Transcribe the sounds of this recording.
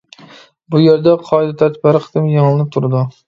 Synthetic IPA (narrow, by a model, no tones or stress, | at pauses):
bʊjeɾd̪aqʰɒjd̪at̪ʰat̪baɾqʰɨ̥t̪ʰɪmjɑŋlˠɪnɪp̚t̪ʰʊɾd̪ɪ